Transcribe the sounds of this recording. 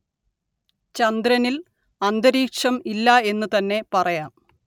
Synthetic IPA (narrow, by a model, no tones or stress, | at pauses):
t͡ɕɐnd̪ɾɐnil | ɐnd̪ɐɾiːkʂɐmilːɐe̞nːut̪ɐnːe̞pɐrɐjaːm